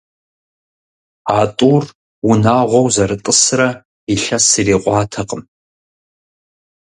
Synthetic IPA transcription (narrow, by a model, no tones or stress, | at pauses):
aːtʼuːr | wʊnaːʁʷɔwzɐɾɨtʼɨsrɐ | iɬɐsireːqʷɑːtʰɐqəm